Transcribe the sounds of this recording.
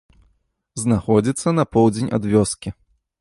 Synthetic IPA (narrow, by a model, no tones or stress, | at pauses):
znaxɔd͡zʲit̪sːɐnɐpɔwd͡zʲenʲa̰d̪vʲɔskʲi